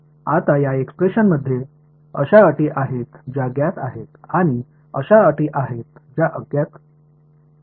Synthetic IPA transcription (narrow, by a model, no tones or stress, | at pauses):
at̪ajaekspɾeɕənməd̪ʱːje | əɕaəʈiːʔaɦet̪d͡ʑaɡjat̪a̰ɦet̪aɽ̃i | əɕaəʈiːʔaɦet̪d͡ʑjaʔəɡjat̪